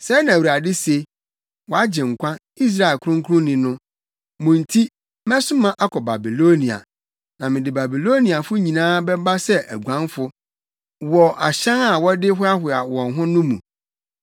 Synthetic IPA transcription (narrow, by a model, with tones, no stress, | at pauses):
sɛ˦nã˨wu˨a˨dɪ˦se˨˦ | wɔ˨a˦d͡ʑɪ̃˨ŋ̩˨kʷã˦ | i˦s̬ɾa˦˨e˨lkʰʊ̃˦ŋ˦kʰʊ˦ʊ̃˦nɪ̃˨nʊ̃˦ | mʊ̃˨n̩˨tʰi˦ | mɛ̃˦sʊ˦mã˦ʔa˦kʰɔ˨ba˨bi˨lo˦nĩ˨a̰˨ | nã˨mɪ̃˨dɪ˨ba˨bi˨lo˦nĩ˨a˨fʊ˦ɲĩ˨nãː˦bɛ˦ba˦sɛ˦ʔæ˨ɡʷã˦nfʊ˦ | wɔ˨ʔa˨ɕã˦na˨wɔ˦dɪ˦ɦʊ˦a˦hʊ˨a˨wɔ̃˨nɦʊ̃˦nʊ̃˦mṵ̃˨